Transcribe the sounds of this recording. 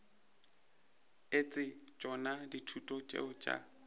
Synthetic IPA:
et͡sʼɪt͡ʃʼɔnaditʰutʼɔt͡ʃʼḛʊt͡ʃʼa̰

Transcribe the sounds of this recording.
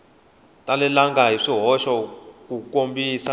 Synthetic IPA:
tʼalɛlaŋɡʱaiʂiɦɔʃɔk̬ʼukʼombiːsa

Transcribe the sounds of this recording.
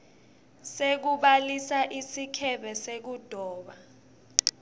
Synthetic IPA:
sek̬uɓalisaʔisikʰɛɓɛsek̬ud̥ʱɔːɓa

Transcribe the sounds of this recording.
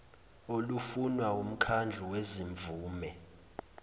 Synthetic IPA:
olufunwaum̩kʰand͡ɮʱuweziɱbvuːmɛ

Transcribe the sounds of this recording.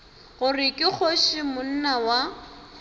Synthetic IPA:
ɣʊrɪkʼɪk͡xʰoʃɪmʊn̩nawa

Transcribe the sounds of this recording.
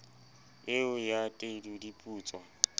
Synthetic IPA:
ɪʊjatʼedudipʼuːt͡sʼwɔ

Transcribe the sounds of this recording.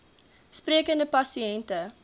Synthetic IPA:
spriəkəndəpɐsiɛntə

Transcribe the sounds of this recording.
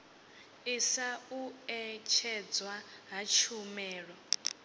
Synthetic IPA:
isauɛt͡ʃʰɛd͡zwaɦat͡ʃʰumɛːɺɔ

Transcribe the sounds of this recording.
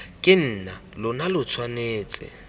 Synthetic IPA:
kʼɪn̩ːnalʊnalʊt͡sʰwaneːt͡sʼɪ̰

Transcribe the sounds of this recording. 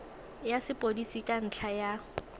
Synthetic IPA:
jasɪpʼodisikʼan̩t͡ɬʰaja

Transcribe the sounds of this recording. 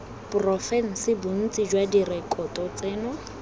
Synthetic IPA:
pʊrɔfɛn̩sɪbʊn̩t͡sʼid͡ʒwadirɛkʼɔtɔt͡seːnʊ

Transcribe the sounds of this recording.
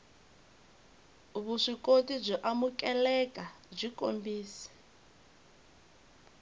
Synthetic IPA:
βuʂikʼotʼib͡ʐʷɔʔamukʼɛlɛkʼa | b͡ʐʷikʼo̰mbiːsi̥

